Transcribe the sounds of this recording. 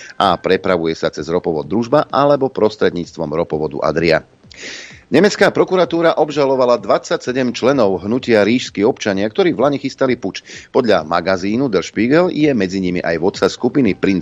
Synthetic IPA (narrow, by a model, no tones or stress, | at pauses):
ʔapɾɛpɾaʋujɛsat͡sɛzɾɔpɔʋɔd̪ːɾuʒbaʔalɛbɔpɾɔst̪ɾɛd̪ɲiːt͡st̪ʋɔmɾɔpɔʋɔd̪ṵʔa̰d̪ɾia̰ | ɲɛmɛt͡skaːpɾɔkuɾat̪uːɾaʔɔbʒalɔʋalad̪ʋat͡sːacsɛɟɛmt͡ʃlɛnɔʊɦnucɪaɾiːʃskiɔpt͡ʃaɲɪakt̪ɔɾiːvlaɲɛxist̪aliput͡ʃpɔd̪ʎamaɡaziːnud̪ɛlʃpiɡɛljɛmɛd͡ziɲimḭʔajʋɔt̪saskupinipɾin